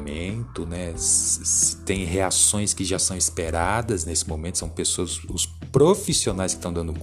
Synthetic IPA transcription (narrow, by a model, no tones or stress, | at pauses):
mẽnt̪ʊnɛssɪ̥t̪ẽj̃ɦeasõj̃skɪʒasɐ̃w̃ɪspeɾad̪ɐznesɪmõmẽnt̪ʊsɐ̃w̃pesoɐzʊs | pɾofisionajskɪ̥st̪ɐ̃w̃d̪ɐ̃nd̪ʊk